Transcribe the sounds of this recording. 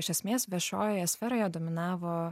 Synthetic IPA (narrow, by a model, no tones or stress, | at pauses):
ɪʃʲɛsʲmʲeːsʋʲiɛʃo̰ːjojɛsʲfʲɛɾoːjɛd̪oːmʲɪnɑːʋoː